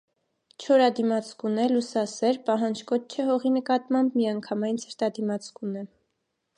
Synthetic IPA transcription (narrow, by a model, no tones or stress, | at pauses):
t͡ʃʰɔɾɑd̪imɑt͡sʰkunɛlusɑsɛɾpɑɦɑnd͡ʒkɔt̪t͡ʃʰɛɦɔʁinəkɑt̪mɑmbmiɑŋkʰɑmɑjnt͡sʰəɾt̪ɑd̪imɑt͡sʰkunɛ